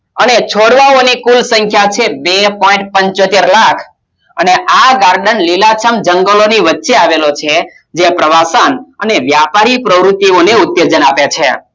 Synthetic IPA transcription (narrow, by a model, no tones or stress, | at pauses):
ənet͡ʃʰoɽʋaonikulsəŋkʰjat͡ʃʰebepɔĩɳʈ̚pəɲt͡ʃot̪eɾlakʰ | əneʔaɡaɾɖənlilat͡ʃʰəmd͡ʒəŋɡəloniʋətːʃeaʋelot͡ʃʰe | d͡ʒepɾəʋasanə̰neʋjapaɾipɾəʋɾut̪ːioneʊt̪jed͡ʒənapjat͡ʃʰe